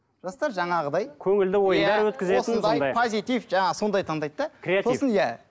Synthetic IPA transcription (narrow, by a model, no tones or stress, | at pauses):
ʒ̥ɑst̪ɑɾʒɑɴɑʁəd̪ɑjkʲʰɵŋɪld̪ɪwo̞jənd̪ɑɾwɵt̪kʲɪzeosənd̪ɑjjdɑjpʰozit̪ifʒɑɴɑso̞nd̪ɑjt̪ʰɑɴd̪ɑjd̪d̪ɑkɾeso̞sənjæ